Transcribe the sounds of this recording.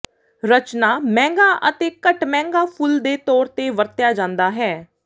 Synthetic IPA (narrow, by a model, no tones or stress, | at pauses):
ɾət͡ʃnaːmɛ̃ːŋɡaːʔət̪eːkəʈmɛ̃ːŋɡaːpʰʊld̪eːt̪ɔːɾt̪eːʋəɾt̪jaːd͡ʒãːnd̪aːɦɛː